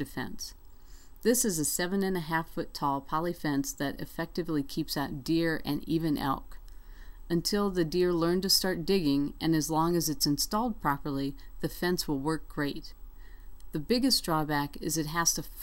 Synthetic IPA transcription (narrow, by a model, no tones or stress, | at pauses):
ɨfɛ̰̃ns | ðɪsɨzɨsɛvɨ̃nɨ̃nɨɦæfʊtʰɔlˠpʰɑlˠifɛ̃nsðɨɾɨ̰fɛk̚tɨvlikʰipsaʊt̚d̥ɪɹɨ̰̃nivɨ̃nʔɛ̰lˠk | ɨ̃ntʰɪlˠðɨdɪɹlɜ̃˞ntɨstɑɹt̚d̥ɪɡɪ̃ŋɨ̃nɨzlɔ̃ŋɨzɨtsɨ̃nstɔlˠd̚pʰɹ̥ɑpə˞lˠiðɨfɛ̃nswəlˠwɜ˞k̚ɡ̥ɹeɪt̚ | ðɨbɪɡɨsdɹɔbækɪzɨt̚ɦæstə